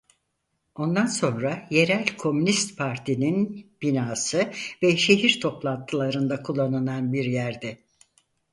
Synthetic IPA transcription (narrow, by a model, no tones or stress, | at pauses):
o̞nd̪anso̞nɾaje̞ɾælʲkʰo̞mynist̪pʰaɾt̪ʰininb̥inaːsɯvɛʃe̞ɦiɾt̪ʰo̞plˠant̪ʰɯlˠaɾɯnd̪akʰulˠːanɯnanbiɾjæɾd̪ɛ